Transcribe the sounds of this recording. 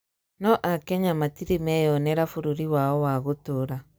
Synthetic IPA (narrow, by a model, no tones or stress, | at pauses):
nɔʔakɛɲamatiɾimɛjɔnɛɾafuɾuɾiwaɔwaɣotoɾa